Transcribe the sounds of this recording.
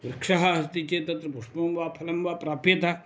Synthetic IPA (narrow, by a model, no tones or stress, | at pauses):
ʋɾɐkʂaɦast̪it͡ʃet̪ɐt̪ɾɐpuʂpɐmbaːpʰɐlɐmbaːpɾaːpet̪a